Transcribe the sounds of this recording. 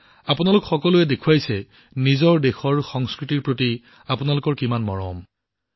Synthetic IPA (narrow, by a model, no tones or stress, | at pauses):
apʊnalʊkxɔkɔluɛdekʰuajsɛ | nizɔɹdexɔɹxɔŋskɹitiɹpɹoti | apʊnalʊkɔɹkimanmɔɹɔ̰m